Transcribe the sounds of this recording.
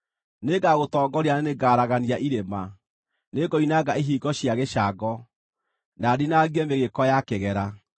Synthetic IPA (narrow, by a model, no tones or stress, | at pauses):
neɡaɣotɔːɡɔɾianeneɡaɾaɣaniaʔiɾema | neɡɔinaɡaeɦiːɡɔɕjaɣeɕaɡɔ | nadinaɣɛmeɣekɔjakeɣɛɾa